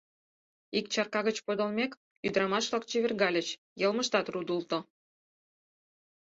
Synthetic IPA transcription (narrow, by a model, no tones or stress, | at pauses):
ikt͡ɕɑrkɑɣə̆t͡ɕpod̪ŏlmʲek | yd̪ɾɑmɑʃβlɑk̚t͡ɕiβʲerɣɑlʲə̆t͡ɕ | jəlməʃt̪ɑt̪rud̪ult̪o